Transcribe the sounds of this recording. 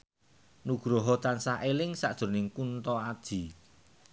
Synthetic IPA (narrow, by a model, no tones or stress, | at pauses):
nuɡ̥ɾɔɦɔt̪ansaʔelɪŋsa̰ʔd̥ʒ̥ʊ̤rnɪŋkunt̪ɔad̥ʒ̥i̤